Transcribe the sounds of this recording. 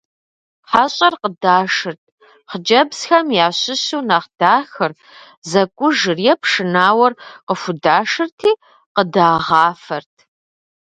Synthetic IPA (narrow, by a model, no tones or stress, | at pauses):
ħaɕʼɐrqədaːʂɨrtʰ | χəd͡ʒɐbsxɐmjaːɕɪɕuːnaχd̥aːxɨr | zɐkʷʼʊʒɨrjɛpʂɨnaːwɐrqəfʷʊdaːʂɨrtʰiː | qədaːʁɑːfɐrtʰ